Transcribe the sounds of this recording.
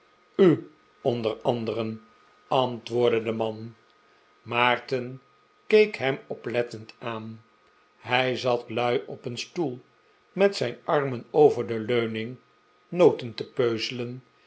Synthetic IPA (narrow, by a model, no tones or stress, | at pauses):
y | ɔndərɑndərən | ɑntʋʊːɹdədəmɑn | maːɹtən | kejkɦɛmɔplɛtəntaːn | ɦɛjzɑtlœɥʔɔpənstulˠ | mɛtsɛjnɑɹmənowvəɹdəløɥnɪŋ | nowtəntəpøɥzələn